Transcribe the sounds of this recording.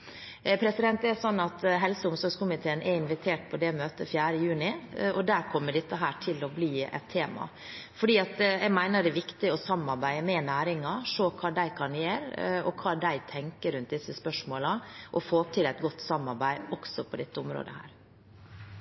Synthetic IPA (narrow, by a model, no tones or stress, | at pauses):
pʰɾɛsɪd̪ɛnt̪ɛsɔnːɑt̪ɦɛlsəʊmsɔɾɡskʊmɪt̪ʰeːənʔɛɪnʋɪt̪ʰeːʈ̚pʰɔd̪ɛmøːt̪əfjæːɾəjʉːnɪɔd̪æɾkʰɔmːəɖɪt̪ːəɦæːʈʰɪlɔbliːɛ̰t̪ʰːeːmɑ̰ | fɔɖiːɑt̪ɛɡmæɪnəɖɛʋɪkt̪ɪɔsɑmɑɾbæɪəmɛnæːɾɪŋɑʂoːkʰɑːd̪æɪkʰɑnjeːɾɔkʰɑːd̪æɪt̪ʰɛŋkəɾʉnt̪̚d̪ɪsːəspœʂmoːlɑʔɔfoːɔp̚t̪ɪlæɪt̪̚ɡɔt̪ːsɑmːɑɾbæɪɔksɔpʰɔd̪ɛt̪ːəʊmɾo̰ːd̪ə̰hæ̰ːɾ